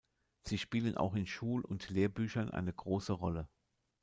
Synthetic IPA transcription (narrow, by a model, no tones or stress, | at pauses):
z̥iːʃpiːlənʔa̰ʊxɪnʃuːlʊntleːɐbyːçɐnʔa̰ɪnəɡʁoːsəʁɔlə